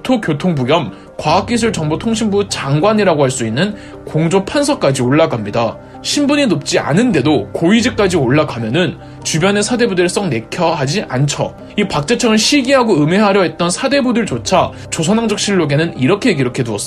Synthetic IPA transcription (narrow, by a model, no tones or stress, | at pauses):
tʰokjotʰoŋbuɡjʌm | kwaɦak͈̚is̬ʰuɭt͡ɕʌŋbotʰoŋɕʰimbut͡ɕaŋɡwaɲiɾaɡoɦaɭs͈uinːɯn | koŋd͡ʑopʰansʰʌk͈ad͡ʑioɭːaɡamɲida | ɕʰimbuɲinop̚t͡ɕ͈ia̰nɯnde̞dokoid͡ʑik̚k͈ad͡ʑioɭːakʰamjʌnɯn | t͡ɕubjʌne̞sʰade̞budɯɭs͈ʌŋne̞kʰjʌɦad͡ʑiʔant͡ɕʰʌ | ipak̚t͡ɕ͈et͡ɕʰʌŋɯɭɕʰiɡiɦaɡoɯme̞ɦaɾjʌɦe̞t̚t͈ʌnsʰade̞budɯɭt͡ɕot͡ɕʰa | t͡ɕosʰʌnaŋd͡ʑʌk̚ɕ͈ʰiɭːoɡe̞nɯniɾʌkʰe̞k̬iɾokʰe̞duʌs͈